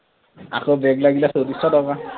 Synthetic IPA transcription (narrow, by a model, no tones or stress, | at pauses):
a̰kobɛɡlaɡilasodisɔdɔka